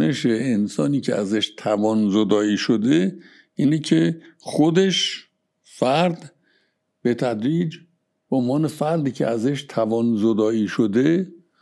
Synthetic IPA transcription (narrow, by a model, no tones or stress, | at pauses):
eʃeːnsɒːniːcʰeæzeʃt̪ʰævɒːnzod̪ɒːiːʃod̪e | ʔiːnecʰexod̪e̞ʃ | fæɾd̪ | b̥e̞t̪ʰæd̪ɾiːd͡ʒ | bonvɒːne̞fæɾd̪iːcʲʰeæzeʃt̪ʰævɒːnzod̪ɒːiːʃod̪e